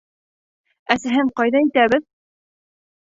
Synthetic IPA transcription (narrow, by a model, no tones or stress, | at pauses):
æsæɦɘɴqɑjðɑit̪æβɘð